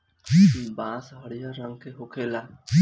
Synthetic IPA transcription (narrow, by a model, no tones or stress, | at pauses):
bãsɦaɽijaɾaŋkeɦokʰela